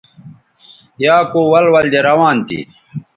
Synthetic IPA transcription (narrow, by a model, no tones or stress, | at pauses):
jaːkoːwɐlwɐld͡ʑeɾɐwaːnt̪ḭ